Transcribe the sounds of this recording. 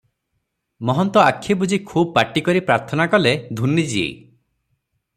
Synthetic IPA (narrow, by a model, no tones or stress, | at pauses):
mɔɦɔnt̪ɔakʰːebud͡ʒikʰubbaʈikɔɾipɾaɾt̪ʰɔnakɔled̪ʱunːid͡ʒiḛ